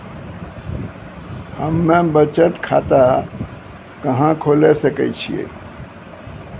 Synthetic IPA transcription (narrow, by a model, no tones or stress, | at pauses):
həmːẽbət͡ʃət̪kʰat̪a | kəɦãkʰolesəkɛ̰t͡ʃʰijḛ